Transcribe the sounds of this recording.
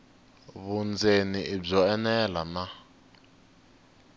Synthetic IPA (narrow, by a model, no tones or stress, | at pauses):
βund͡zʱeniʔib͡ʐɔɛnɛlana